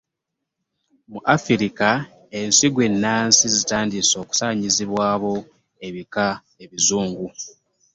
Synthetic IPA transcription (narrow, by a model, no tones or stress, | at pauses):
muʔafiɾika | e̞nsiɡwe̞nːaːnsizitaːndiso̞ːku̥saːɲiziβwaːβo̞ | e̞βika | eβizuːŋɡu